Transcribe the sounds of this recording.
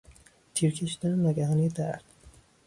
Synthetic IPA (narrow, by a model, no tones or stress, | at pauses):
t̪ʰiːɾcʰeʃid̪ænenæɡæɦɑːnijed̪æ̰ɾd̪̥